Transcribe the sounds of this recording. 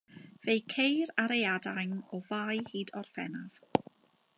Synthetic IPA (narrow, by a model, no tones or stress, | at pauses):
v̥ejkʰejraɾejadajnɔvajhiːdɔr̥fɛnav̥